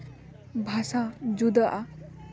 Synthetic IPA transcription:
bʱasad͡ʒud̪əʔa

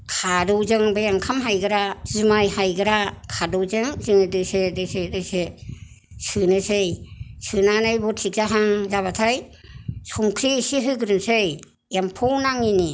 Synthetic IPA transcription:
kʰadɔwzɯŋbajaŋkʰamɦajɡɯɾazɯmajhajɡɯɾakʰadɯwzɯŋzɯŋɯdɯseɾɯseɾɯjse | sɯnɯsɯjsɯnanɯjbɔtʰik̚zaɦaŋzaβatʰajsɔŋkʰɾisiɦɯɡɯɾɯnsɯj | jampʰɔwnaŋini

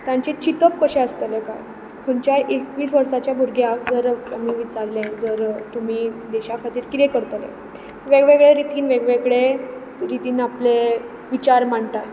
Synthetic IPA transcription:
t̪jãɲt͡ɕet͡ɕit̪əpkəɕẽəst̪əlẽka̰ | kʰəɳt͡ɕaʔekʋiːsʋəɾsat͡ɕjabʱuɾɡʱjakd͡zəɾamiːʋit͡saɾlẽd͡zəɾt̪um̤iːd̪ɛɕakʰat̪iːɾkit̪ekəɾt̪əlḛ̃ | ʋeɡʋeɡɭeɾit̪iːnʋeɡʋeɡɭe | ɾit̪iːnaple | ʋit͡ɕaɾmaɳt̪at̪

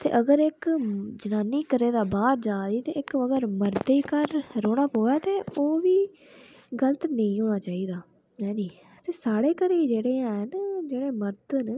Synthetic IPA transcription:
t̪ḛːʔəɡəɾɪkd͡ʒənaːniːkəɾeːd̪aːbaːɾd͡ʒaːd͡ʒiːt̪eːɪkəɡəɾməɾt̪ekəɾːoːɽ̃aːpoːɛːt̪eːoːʋiː | ɡələt̪nə̃ĩːɦoːɽ̃aːt͡ʃaːiːd̪aː | ɛ̃ːniː | t̪eːsaːɽeːkəɾeiːd͡ʒeːɽeːãnd͡ʒeːɽeːməɾt̪n

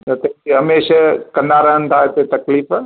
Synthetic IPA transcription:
ɐt̪eiɦɐmeːʃakɐnaːɾəɦənt̪ʰaːet̪et̪ɐkliːf

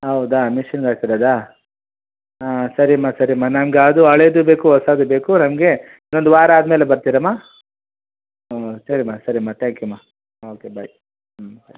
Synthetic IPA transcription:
ɦɐwud̪aːmiʃɐnɡaːɡ̚t̪iɾɐːd̪aː | asɐɾimaːsɐɾimaːnɐmɡaːd̪uɐɭed̪ube̞ːkuɦɔsaːd̪ube̞ːkunɐmɡe̞ | inːond̪uʋaːɾaaːd̪meːlebɐɾt̪iːɾɐmːaː | osɐɾimaːsɐɾimaːt̪ʰaːŋkjumaː | oːkebɐj | sɐɾi

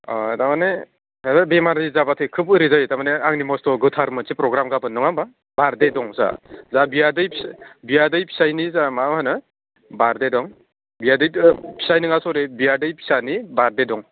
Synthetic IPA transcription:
tamane | hezabemaɾdɯjzabatʰɯjkʰɯbɯɾizajtamaneaŋnimɔstɔɡɯtʰaɾmɯsipɾɔɡɾamɡabɯnːɯŋaba | baɾdedɔŋza̰zabijadɯjpʰisbijadɯjpʰi̥sajnizamamhanɯ | baɾdedɔŋ | bijadɯjpʰi̥sajnɯŋasɔɾebijadɯjpʰi̥sanibaɾdedɔŋ

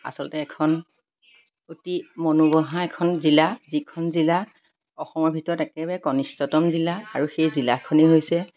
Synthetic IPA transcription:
a̰sɔlɔtɛːkʰɔn | otimonubɔɦãɛkʰɔnzilazikʰɔnzila | ɔxɔmɔɹbʱitɔɹɔtɛkɛbɛkɔnistɔtɔmzilaːɹuxejzilakʰɔneɦojsɛ

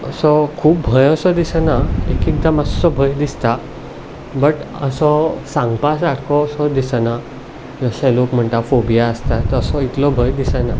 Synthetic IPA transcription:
əsɔkʰuːp̚bʱəjəsɔd̪isənaekik̚d̪aməssɔbʱəjd̪ist̪a | bəʈə̰sɔsãŋɡpas̬aʈʰkɔːsɔd̪isəna | d͡zəɕɛ̃lokm̤əɳt̪afobijaəst̪at̪əsɔit̪lɔbʱəjd̪isəna

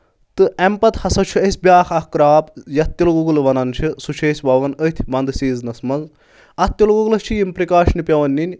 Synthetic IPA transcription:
t̪ɨɐmpɐt̪hɐsɐt͡ʃʰuɐsʲbʲjaːxʰɐhkɾaːpjɐt̪ːilɡuɡlʋɐnɐnt͡ʃʰɨsut͡ʃʰesʲbɐʋɐnət̪ʰʲbɐnd̪ɨsiːznɐsmɐz | ɐt̪ːilɡuɡlɐst͡ʃʰijimpɾikaːʃnipʲɐʋɐnʲːinʲ

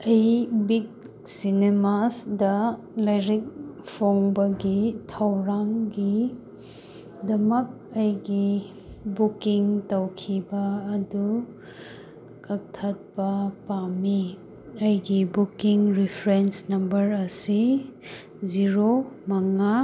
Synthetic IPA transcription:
ejbik̚ | sinemasdɐ | lɐjɾik̚pʰoŋbɐɡitʰɐwɾaŋɡi | dɐmɐk̚ɐjɡi | bukiŋtɐwkʰibɐːdu | kɐk̚tʰːɐt̚pɐpami | ɐjɡibukiŋɾipʰɾensnɐmbɐɾɐsi | ziɾomɐŋa

